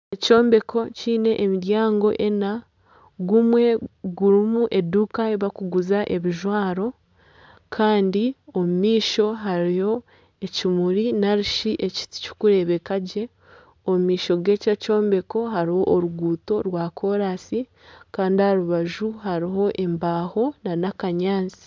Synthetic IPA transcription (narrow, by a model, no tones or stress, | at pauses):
eco̞ːmbe̞kʰo̞ciːne̞ʔːmiɾjaːŋɡo̞ʔe̞na | ɡumwe̞ɡuɾimuʔe̞duːkaeβakuɡuzaʔe̞βiʒwaːɾo̞ | kʰaːndiomumiːʃo̞ɦaɾijo̞ | ecimuɾinaɾiʃiʔeci̥cu̥kuɾe̞βe̞kaɟe̞ | omumiːʃo̞ɡe̞ːcaco̞ːmbe̞ko̞ɦaɾiho̞ʔːɾuɡuːto̞ɾwaːkʰo̞ɾasi | kaːndihaɾuβaʒuɦaɾiɦo̞ʔe̞mbaːho̞nanakaɲaːnzi̥